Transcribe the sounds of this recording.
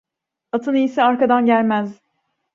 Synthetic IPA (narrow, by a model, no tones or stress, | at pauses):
at̪ʰɯnijisɛaɾkad̪anɟælʲmæz